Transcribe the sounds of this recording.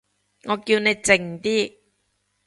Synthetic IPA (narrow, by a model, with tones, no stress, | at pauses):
ŋɔː˨˧kiː˧wne˨˧jt͡sɪ˧˩ŋt̪iː˥